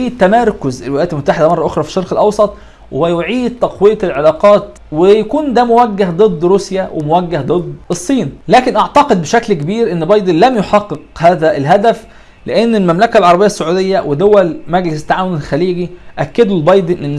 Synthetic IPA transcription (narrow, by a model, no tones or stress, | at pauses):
iːt̪ːæmɑɾˤkʊzelwelæjæt̪elmot̪ːaħed̪æmɑrˤːɑʔoxɾˤɑfi̥ʃːɑɾˤqelʔɑwsˤɑt̪ˤ | wwæjoʕiːd̪̚t̪ːɑqwejælʕelɑːqɑːt̪ | wejækuːnd̪æmowæɡːæhd̪ˤɨd̪ˤːɾusjæwʔemowæɡːæhd̪ˤɨd̪ˤesˤːiːnlæːkenʔɑʕt̪ɑqed̪̚beʃæklkebiːɾʔenːbɑjd̪ˤenlæmjoħɑqːeqhæːðæʔelɦæd̪æf | leʔenːelmæmlækælʕɑɾˤɑbejːæsːoʕuːd̪ejːæwʔed̪owælmæɡlɪst̪ːaʕaːwonelxæliːɡiʔækːæd̪ulbɑjd̪enʔenː